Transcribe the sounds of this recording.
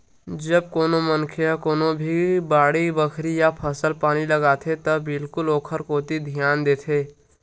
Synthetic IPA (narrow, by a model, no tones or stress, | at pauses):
d͡ʒəb̚koːnomənkʰeakoːnobʱibaːɽibəkʰɾijapʰəsəlpaːnilɐɡaːt̪ʰet̪ɐbɪlkʊloːkʰəɾkoːt̪id̪ʱjaːnd̪eːt̪ʰeː